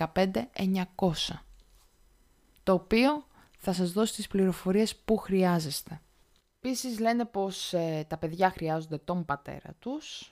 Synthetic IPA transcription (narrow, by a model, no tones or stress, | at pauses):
ɐpe̞nd̪e̞eɲɐko̞sɐ | t̪o̞ːpio̞ | θɐsɐzðo̞si̥t̪ispliɾo̞fo̞ɾie̞spuxɾiɐze̞st̪e̞ | episizle̞ne̞po̞set̪ɐpe̞ðʝɐxɾiɐzo̞nd̪e̞t̪o̞mbɐt̪e̞̰ɾɐ̰t̪us